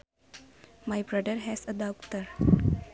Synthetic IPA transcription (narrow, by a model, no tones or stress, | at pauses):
majbɾʌɖ̪əɾɦɛsəd̪akt̪əɾ